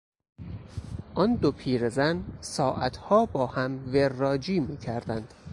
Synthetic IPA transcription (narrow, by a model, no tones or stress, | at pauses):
ʔɒnd̪opʰiːɾezænsɒːʔæt̪ʰhɒːbɒːhæmverːɒːd͡ʒiːmiːcʰæɾd̪ænd̪̥